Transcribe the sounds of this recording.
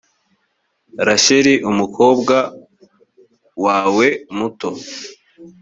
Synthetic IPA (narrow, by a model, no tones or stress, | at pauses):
ɾaɕeɾiʔumukʰo̞ːbɡa | waːwe̞muto̞